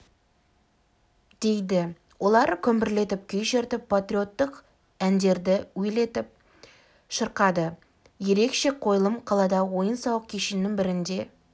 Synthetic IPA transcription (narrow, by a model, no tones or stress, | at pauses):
d̪̥e̞jd̪ɪ | wʔo̞lˠɑɾkʲʰɵmbɪɾle̞t̪ɪp̚kʲʰɵjʒeɾt̪ɪpʰːat̪ɾʲio̞t̪ːəq | ænd̪e̞ɾd̪ɪwɵjle̞t̪ɪp̚ | ʃəɾqɑd̪ə | je̞ɾe̞kʃe̞qʰo̞jlˠəmqʰɑlˠɑd̪ɑwo̞jənsɑwəq̚kʲʰeʃɪnːɪŋbɪɾɪnd̪e̞